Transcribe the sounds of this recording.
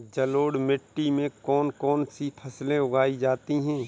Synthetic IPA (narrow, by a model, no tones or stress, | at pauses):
d͡ʒɐloːɽmɪʈːimẽkɔːnkɔːnsipʰɐslẽʊɡaːid͡ʒaːt̪iɦɛ̃ː